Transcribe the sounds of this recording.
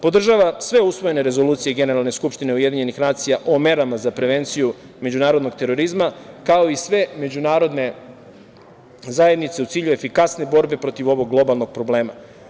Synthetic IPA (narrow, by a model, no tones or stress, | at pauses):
po̞d̪r̩ʒaːʋasʋe̞usʋo̞je̞ne̞ɾe̞zo̞luːt̪sijeɡe̞neɾalˠne̞skupʃt̪ine̞uje̞d̪iɲe̞nixnaːt̪sijaʔome̞ɾamazapɾe̞ʋe̞nt̪siju | me̞d͡ʑunaːɾod̪no̞ɡ̚t̪e̞ɾo̞ɾizmakaoisʋe̞me̞d͡ʑunaːɾo̞d̪ne̞ | zaje̞d̪nit̪se̞ut̪siːʎue̞fikasne̞bo̞ɾbe̞pɾo̞t̪iʋo̞ʋo̞ɡɡlˠo̞balˠno̞ɡ̥̚pɾo̞ble̞ːma